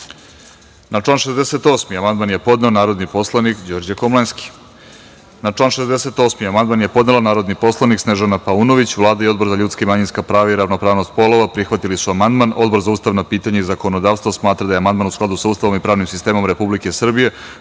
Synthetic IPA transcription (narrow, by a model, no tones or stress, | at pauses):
naʈ͡ʂlaːnʃezd̪eset̪o̞ːsmiamand̪manje̞po̞d̪neonaːɾo̞d̪nipo̞slˠanikd͡ʑo̞ɾd͡ʑakomlˠenski̥ | naʈ͡ʂlaːnʃezese̞t̪o̞ːsmiamand̪̚manjepo̞d̪nelanaːɾo̞d̪nipo̞slˠaniksneʒanapaunoʋit͡ɕʋlˠaːd̪aiod̪bo̞ɾzaʎut̪skaimaɲinskapɾaːʋaiɾavnopɾaːʋnost̪̚po̞lˠoʋapɾixʋat̪ilisuamand̪mano̞d̪bo̞ɾzauːst̪aʋnopiːt̪aɲaizako̞no̞d̪aːʋst̪vosmaːt̪ɾad̪ajeamand̪manusklˠad̪usauːst̪aʋomipɾaːʋnimsist̪e̞ːmo̞mɾepublike̞sr̩bije̞